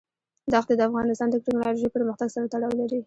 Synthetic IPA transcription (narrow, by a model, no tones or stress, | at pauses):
d̪ɑxt̪ed̪əafɣɑnɪst̪ɑnd̪əkʈɪknɑloʒejpəɾməxt̪aɡsaɾat̪aɽɑwlaɾi